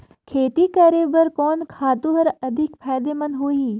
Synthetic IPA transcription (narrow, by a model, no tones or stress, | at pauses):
kʰeːt̪ikəɾeːbəɾkɔːnkʰaːt̪ũɦəɾɐd̪ʱɪkpʰɛːd̪eːmɐnɦoːiː